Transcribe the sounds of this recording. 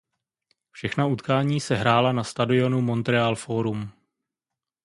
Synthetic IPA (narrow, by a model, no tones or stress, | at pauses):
fʃɛxnaut̪kaːɲiːsɛɦɾaːlanast̪adɪo̞numo̞nt̪ɾɛaːlfoːɾum